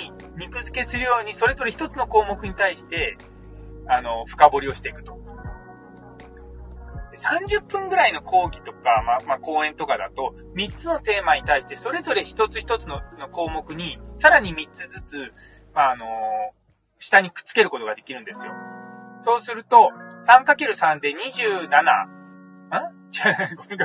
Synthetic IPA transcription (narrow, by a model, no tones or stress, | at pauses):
i | ɲʲikɯ̟zɨke̞sɨɾɯ̟jo̞ːɲ̟iso̞ɾe̞zo̞ɾeçi̥t̪o̞t͡sɨno̞ko̞ːmo̞kɯ̟ɲ̟it̪aiɕi̥t̪e̞ | ano̞ɸɯ̟̥kabo̞ɾʲio̞ɕi̥t̪e̞ikɯ̟̥t̪o̞̥ | d̪̥e̞sãɲ̟d͡ʑɨpːɯ̟̃ŋɡɯ̟ɾaino̞kʰo̞ːɡʲit̪o̞kamamako̞ːẽ̞nt̪o̞kad̪a̰t̪o̞ | mʲit͡sɨno̞t̪e̞ːmaɲ̟it̪aiɕi̥t̪e̞so̞ɾe̞zo̞ɾe̞çi̥t̪o̞t͡sɨ̥çi̥t̪o̞t͡sɨno̞no̞ko̞ːmo̞kɯ̟ɲ̟isaɾaɲ̟imʲitt͡sɨd͡zɨt͡sɨ | maːno̞ | ɕi̥t̪aɲ̟ikɯ̥t͡sɨ̥ke̞ɾɯ̟ko̞t̪o̞ɡad̪e̞kʲiɾɯ̟̃nd̪esɨjo̞̰so̞ːsɨɾɯ̟t̪o̞sãŋkakeɾɯ̟sãnd̪e̞ɲ̟iʑɨːnana̰ | ɯ̃ | d͡ʑaɡomʲik